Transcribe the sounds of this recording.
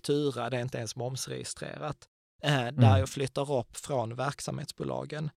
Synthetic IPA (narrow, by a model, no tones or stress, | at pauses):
t̪ʰʉːɾad̪ɛɪnt̪əɛnsmɔmsɾɛ̰jɪ̰st̪ɾḛːɾat̪ | d̪æɾjɑflʏt̪ːaɾɔpːfɾɔnvæɾksamhḛːt̪sb̥uːlɑ̰ːɡən